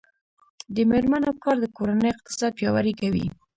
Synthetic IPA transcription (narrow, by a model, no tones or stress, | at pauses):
d̪əmeɾmanawkɑɾd̪əkoɾanəjɪq̚t̪ɪ̥sɑd̪̚pjɑwa̰ɾekawḭ